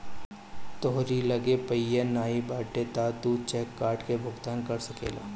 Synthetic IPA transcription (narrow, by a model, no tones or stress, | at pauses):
t̪oɦɾiləɡepəjenaːibaːʈet̪aːt̪ut͡ʃɛːkːaːɾʈkebʱʊɡt̪aːnkɐɾsɐkḛːla̰ː